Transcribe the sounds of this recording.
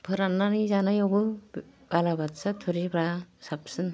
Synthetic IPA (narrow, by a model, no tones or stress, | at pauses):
pʰɯɾanːanizanajɔbɯbalabatsatʰuɾibɾasap̚sɯn